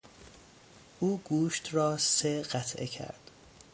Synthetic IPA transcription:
ʔuːɡuːʃt̪ʰɾɒːseɢæt̪ʰʔḛcʰæ̰ɾd̪̥

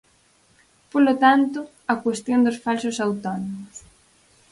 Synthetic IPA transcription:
polot̪ant̪ʊ | ɐkwest̪jond̪ʊsfalsʊsawt̪ɔnomʊs

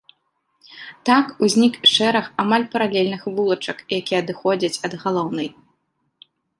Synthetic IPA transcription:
t̪akuzʲnʲikʂɛɾɐxamalʲpɐɾalʲelʲnɨxvulˠɐt͡ʂɐkjakʲiɛɐd̪ɨxɔd͡zʲɐt͡sʲɐd̪ɣalˠɔwnɐj

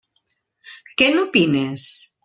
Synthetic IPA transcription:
kenupines

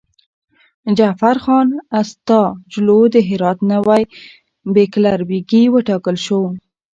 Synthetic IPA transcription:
d͡ʒafaɾxɑnast̪ɑd͡ʒlod̪əɦɪɾɑt̪nəwaj | beklaɾbiɡiwəʈɑkəlʃow

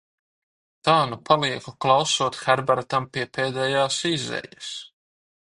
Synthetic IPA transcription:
t̪aːnupʰalˠiɛkuklˠawsuːt̪xæɾbaɾt̪ampiɛpeːd̪ɛjaːsizɛ̰jɛs

